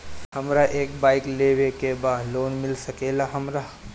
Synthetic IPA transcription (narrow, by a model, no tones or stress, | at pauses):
hɐmɾaʔeːkbaːɪkleːwekebaːd̪loːnmɪlsɐkeːlaɦɐmɾa